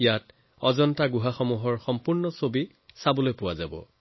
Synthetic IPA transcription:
ijat | ɔzɔntaɡuɦaxɔmuɦɔɹxɔmpuɹnɔsobi | sabɔlojpʊwazabɔ̰

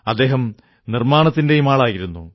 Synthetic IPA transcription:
ɐd̪ːe̞ːɦɐm | nirmaːɳɐt̪ːinde̞jumaːɭaːjiɾunːu

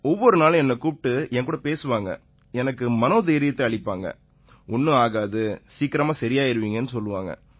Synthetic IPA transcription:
ɔʋːɔɾɯnaːlɛnːɐkuːp̚ʈːɯɛŋkuːɽɐpeːsɯʋaːŋɡɐ̰ | ɛnɐkːɯmɐnoːðeːɾɪjɐt̪ːɯɐɭɪpːaːŋɡɐ̰ | ʊnːɯaːɣaːðɯsiːkːɪɾɐmaːsɐɾɪjaːɪɾɯʋiːŋɡɐnːɯsɔlːɯʋaːŋɡɐ̰

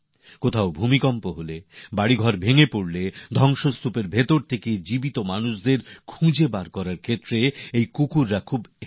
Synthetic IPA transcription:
kot̪ʰaobʱumikɔmpoɦolebaɽiɡʱɔɾbʱeŋepoɽled̪ʱɔŋʃost̪ʰupeɾbʱet̪oɾt̪ʰeked͡ʑibit̪omanuʃd̪eɾkʰũd͡ʑebaɾkɔɾaɾkʰet̪ːɾeejkukuɾːakʰub

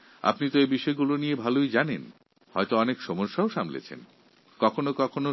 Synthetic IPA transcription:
a̰pnit̪oebiʃɔeɡuloniebʱalojd͡ʑanen | hɔet̪oɔnekʃɔmoʃːaoʃamlḛt͡ɕʰḛn | kɔkʰonokɔkʰono

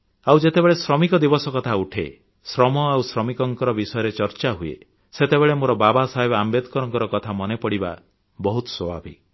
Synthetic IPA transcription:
awd͡ʒet̪ebeɭesɾɔmikɔd̪ibɔsɔkɔt̪ʰauʈʰḛ | sɾɔmɔawsɾɔmikɔŋkɔɾɔbisɔjɔɾet͡ʃɔɾt͡ʃaɦuḛ | set̪ebeɭemoɾɔbabasaɦebambed̪kɔɾɔŋkɔɾɔkɔt̪ʰamɔnepɔɽiba̰ | bɔɦut̪ɔ̥sɔbʱa̰bḭ

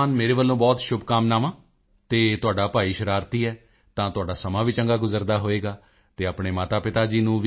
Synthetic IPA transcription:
nmeːɾeːʋəlːõːbɔːt̪ʃʊbkaːmnaːʋãː | t̪eːt̪ʊaːɖaːpaːiːʃəɾaːɾt̪iːɛː | t̪ãːt̪ʊaːɖaːsəmãːʋiːt͡ʃəŋɡaːɡʊzəɾd̪aːɦoːeːɡaː | t̪eːaːpɳeːmaːt̪aːpɪt̪aːd͡ʒiːnũːʋ

